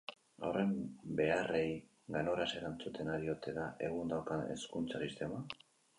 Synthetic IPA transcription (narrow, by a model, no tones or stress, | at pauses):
a̰wre̞mbe̞are̞j | ɡano̞ɾase̞ɾant͡sut̪ʰe̞naɾio̞t̪e̞ðaʔe̞ɣund̪awkae̞̰skunt͡sasist̪e̞ma